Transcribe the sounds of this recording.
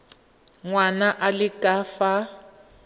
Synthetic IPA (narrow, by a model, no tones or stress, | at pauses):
ŋwanaʔalɪkʼaːfa